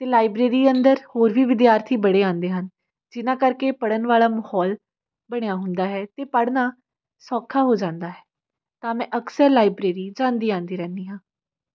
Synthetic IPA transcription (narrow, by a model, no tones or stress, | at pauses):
t̪eːlaːɪbɾeːɾiːənd̪əɾhoːɾʋiːʋɪd̪jaːɾt̪ʰiːbəɽeːãːnd̪eːɦən | d͡ʒɪnãːkəɾkeːpəɽənʋaːlaːməhɔːl | bəɽ̃ejaːɦʊnd̪aːɦɛːt̪eːpəɽnaː | sɔːkʰːaːɦoːd͡ʒãːnd̪aːɦɛː | t̪ãːmɛ̃ːʔəksəɾlaːɪbɾeːɾiːd͡ʒãːnd̪iːãːnd̪iːɾɛ̃ːnd̪iːɦãː